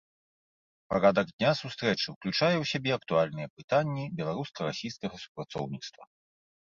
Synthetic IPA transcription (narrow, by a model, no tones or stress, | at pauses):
paɾad̪ɐɡd̪ʲnʲasust̪ɾɛt͡ʂɨwklʲut͡ʂajɛwsʲabʲɛɐkt̪ualʲnɨjɛpɨt̪anʲːibʲɛlˠaɾuskɐɾasʲijskɐɣɐsu̥pɾat̪sɔ̰wnʲit̪st̪vɐ